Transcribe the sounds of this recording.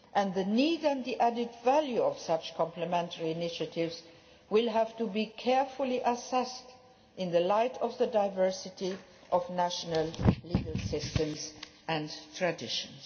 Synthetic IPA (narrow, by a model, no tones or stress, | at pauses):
ʔɨ̃nðɨniːdɨ̃nðiʔædɪdvæljuʌv̥sʌt͡ʃkʰɑ̃mpləmɛ̃ntʰəɹiɪnɪʃɨtɪvz | wɪlˠɦæv̥tubikʰɛɹfəliʔəsɛst | ʔɪ̃nðəlaɪtʰʌvðədaɪvɜ˞sɪti | ʔʌvnæʃənəlˠliɡəlˠsɪstɨ̃mzʔɨ̃ntʰɹ̥ɨdɪʃə̃nz̥